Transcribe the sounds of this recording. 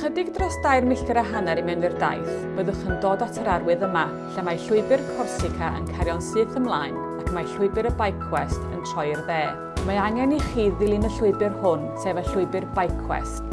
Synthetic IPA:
χədɪɡdrɔsd̥ajrmɪɬtɛɾaɦanɛɾimɛnwɨrda̰jθ | b̥əðəχəndoːdatʰəɾarwɨðəma | ɬamajɬʊɨbɨrkʰɔrsɪkʰaʔə̰nkʰaɾjɔnsɨːθəmlˠaːjn | akʰmajɬʊɨbɨɾəbajkʰwɛstə̰ntʰrɔjrðeː | maaŋɛniχiːðːɪlˠinəɬʊɨbɨrhʊnsɛːvəɬʊɨbɨrbajkʰwɛ̰st

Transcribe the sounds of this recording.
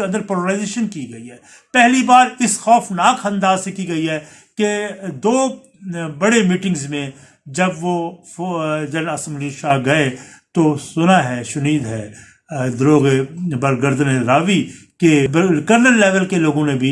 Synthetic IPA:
eɐ̃nd̪əɾpoloɾaːɪzeːʃənkiɡɐiɦɛː | pɛɦlibaːɾɪsxɔːfnaːkʰɐ̃nd̪aːzsekiɡɐiɦɛː | ked̪oː | bɐɽemiːʈɪ̃ŋɡzmẽ | d͡ʒɐbʋo | d͡ʒɐnɐsəmʊliʃaːɦɡɐet̪osʊnaɦɛːʃʊniːd̪ɦɛː | d̪ɾoːɣebɐɾɡəɾd̪neɾaːʋikekəɾnəlːɛːʋəlkeloːɡõnẽbʱi

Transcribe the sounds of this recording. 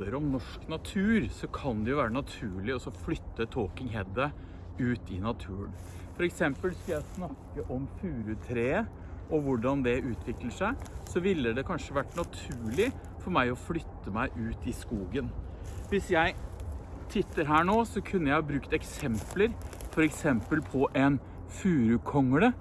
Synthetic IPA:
əɾɔmnɔʂknɑt̪ʰʉːɾsɔkʰɑnd̪ɛjʊʋæːɾənɑt̪ʰʉːɭɪɔsɔflʏt̪ːət̪ʰoːkɪŋɦɛd̪ə | ʉːt̪ɪnɑt̪ʰʉːəɳ | fɔɾɛksɛmpəlskʉljæɪsnɑkːəʔɔmfʉːɾʉt̪ʰɾeː | ʔɔʋʊɖɑnd̪ɛʉːt̪ʰʋɪkləʂæɪsɔʋɪlːəd̪ɛkʰɑnʂəʋæʈːnɑt̪ʰʉːɭɪ | fɔɾmæɪɔflʏt̪ːəmæɪʔʉːt̪ɪskuːɡən | ʋɪsjæɪ | t̪ʰɪt̪ːəɾɦæːɳoːsɔkʰʉnːəjæɪhɑːbɾʉːkt̪ɛksɛmpləɾfɔɾɛksɛmpəlpʰɔʔɛn | fʉːɾʉkʰɔŋːəɽə

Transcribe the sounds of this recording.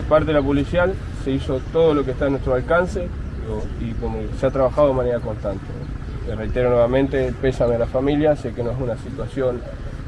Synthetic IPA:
paɾt̪̬eelapolisjal | seiso̞t̪oðolo̞k̬eht̪anwet̪ɾoalkanse | oikomoseat̪ɾaβaxaðo̞emaneɾako̞nst̪ant̪ḛ | erejt̪eɾonweβamẽ̞nt̪epesamealafamiljasekenoesunasit̪wasjo̞n

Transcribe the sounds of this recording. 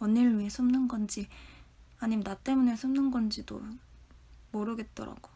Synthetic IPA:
ʌniɭːɥiesʰɯmnɯnɡʌnd͡ʑi | aɲimnat͈e̞mune̞sʰɯmnɯnɡʌnd͡ʑido̰ | moɾɯɡe̞t̚t͈ʌ̰ɾa̰ɡ̥o

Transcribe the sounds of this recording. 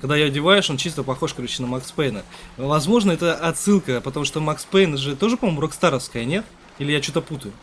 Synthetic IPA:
kɐɡ̚d̪ajoɐdʲɪvajɪʂo̞nt͡ɕist̪əpɐxo̞ʂkɐɾʲuɕɪnəmɐkspejnəvɐzmo̞ʐnəɛt̪əʔɐt̪sɨlˠkəpət̪ɐmuʂt̪omɐkspejnəʐɨt̪o̞ʐɨpɐmomʊɾokst̪aɾəfskəjənʲe̞t̪̚ | ilʲɪjat͡ɕut̪əput̪əjʊ

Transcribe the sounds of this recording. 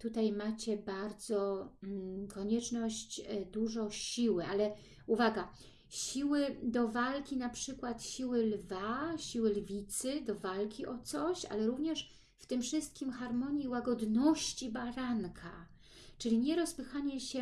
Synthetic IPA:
t̪ut̪ajmat͡ɕɛbaɾd̪zɔ | kɔɲɛt͡ʂnɔɕt͡ɕd̪uʐɔɕiwɘʔalɛ | uvaɡa | ɕiwɘd̪ɔvalkʲinapʂɘkwat̪ɕiwɘlvaɕiwɘlvʲit̪sɘd̪ɔvalkʲiʔɔt̪sɔɕa̰lɛɾuvɲɛʂ | ft̪ɘmfʂɘst̪̚kʲimxaɾmɔɲjiwaɡɔd̪nɔɕt͡ɕibaɾankʰa | t͡ʂɘlʲiɲɛɾɔspɘxaɲɛɕɛ

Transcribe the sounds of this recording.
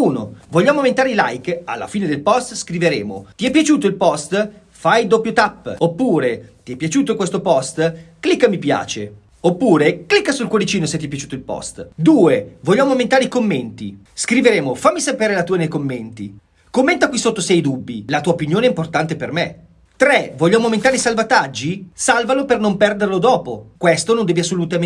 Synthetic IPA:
uːno̰voʎːaːmoment̪aːɾeila̰jka̰lːa̰fiːned̪elpɔst̪skɾiveɾḛːmo̰t̪iɛpːjat͡ʃuːt̪oilpɔst̪ | fajd̪opːjot̪apːopːuːɾet̪iɛpːjat͡ʃuːt̪̬okwest̪opɔst̪klikːamipja̰ːt͡ʃe | opːuːɾeklikːasulkwolit͡ʃiːnoset̪ːiɛp̬ːjat͡ʃuːt̪oilpɔ̰st̪d̪uːevoʎːaːmoːment̪aːɾeikomːent̪ḭ | skɾiveɾeːmofamːisapeːɾelat̪uːenejkomːent̪ḭ | komːent̪akwisot̪ːosɛjd̪ubːḭlat̪uːaopinjoːneɛimport̪ant̪eperme | t̪ɾevoʎːaːmoːment̪aːɾeisalvat̪ad͡ʒːisalvalopernompɛrd̪erlod̪ɔːpokwest̪onond̪ɛːvias̬ːolut̪a

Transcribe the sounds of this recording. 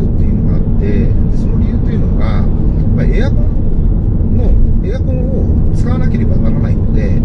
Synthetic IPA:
ɯ̟t̪ːe̞jɯno̞ɡaat̪ːe̞d̪eso̞no̞ɾʲijɯ̟ːt̪o̞jɯ̟no̞ɡajapːaiejakõ | noeːjakõɰ̃o | t͡sɨ̥kaβanake̞ɾe̞banaɾanaino̞d̪e̞

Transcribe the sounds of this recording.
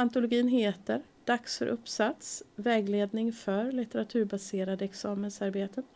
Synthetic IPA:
ant̪ʊlʊɡiːnɦeːt̪əɾ | d̪̥aksfœ̰ɾʔɵpːsat̪svɛːɡleːd̪nɪŋfœɾlɪt̪əɾat̪ʰʉ̟ːɾbaseːɾad̪əɛksɑːmənsaɾbeːt̪ʰə

